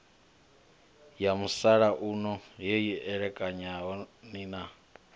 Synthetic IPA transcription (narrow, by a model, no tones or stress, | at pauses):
jamusaɺaʔunɔjejiʔɛɺɛkʼaɲaɦɔnina